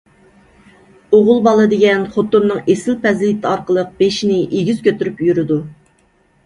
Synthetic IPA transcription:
oʁʊlˠbɑlˠɨd̪ɪɡʲɛnχot̪ːumnɨŋesɪlpɛzlɪt̪ʰɪɑɾqəlˠəq̚b̥eʃinɪʔeɡʲyz̥kʲʰøt̪yɾypjyɾɪd̪u

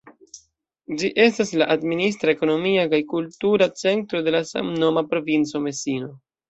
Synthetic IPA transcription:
d͡ʒiʔe̞staslaʔadminis̬tɾaeko̞no̞miakajkultuɾat͡se̞ntɾo̞de̞lasa̰mno̞mapɾo̞vint͡so̞me̞sino̞

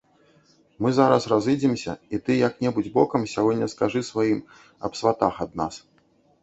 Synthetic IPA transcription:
mɨzaɾɐsrazɨd͡zʲimsʲɐ̰it̪ɨjɐknʲɛbud͡zʲbɔkɐmsʲaɣɔdʲnʲːɐskaʐɨsvajim | ɐ̰psvat̪axad̪na̰s

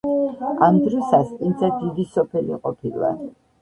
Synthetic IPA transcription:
amd̪ɾɔsaskʼind̪zad̪id̪isɔpʰɛlḭqʼɔpʰilˠa̰

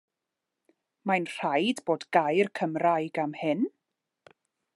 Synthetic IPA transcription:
majnr̥ajdboːdɡajrkʰəmrajɡamhɪn

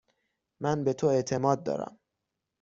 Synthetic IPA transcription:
mænbe̞t̪ʰoe̞ʔt̪ʰe̞mɒːd̪̚ːɒ̰ːɾæ̰m

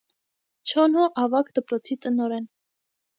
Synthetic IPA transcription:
t͡ʃʰɔnhɔʔɑvɑkd̪̥əpɾɔt͡sʰit̪ənɔɾɛn

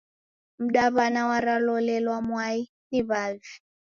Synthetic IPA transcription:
m̩ɗaβanawaɾalɔlɛlwamwai | niβaːzi

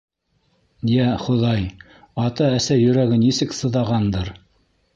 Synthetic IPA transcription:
jæχŏðɑj | ɑt̪ɑæsæjɵ̆ɾæɡɘnisɘksɤ̆ðɑʁɑnd̪ɤɾ

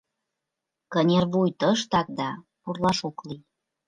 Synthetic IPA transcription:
kənʲerβujt̪əʃt̪ɑk̚d̪ɑ | purlɑʃoklij

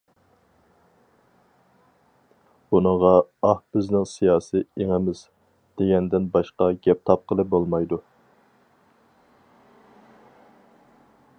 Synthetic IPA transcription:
bunəʁɑɑhb̥ɪznɪŋsijɑːsieŋɪmɪz̥ | d̪̥eɡʲɛnd̪ɪnbɑʃqɑɡʲɛp̚t̪ʰɑp̚qʰəlˠɨp̚bolˠmɑjd̪u

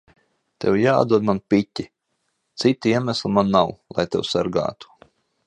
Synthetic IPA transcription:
t̪ɛ̰wja̰ːd̪uɔd̪̚manpʲitʲːi | t̪sit̪iiɛmæslˠimanːawlˠa̰jt̪ɛ̰wsaɾɡa̰ːt̪u̥

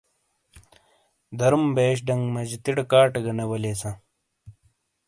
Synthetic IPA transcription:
d̪ɐɾumbeːɕ̬ɖɐŋɡmɐd͡ʑit̪iɽɐkaːʈɐɡɐnɐwɐleːsɐ̃

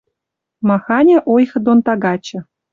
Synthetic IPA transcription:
mɑxɑnʲeʔojxɤ̆d̪ont̪ɑɡɑt͡ɕɤ̆

